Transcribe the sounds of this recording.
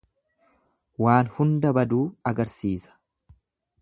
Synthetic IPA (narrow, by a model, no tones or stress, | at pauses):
waːnhʊnd̪ɐbɐd̪uːɐɡɐɾsiːsɐ̥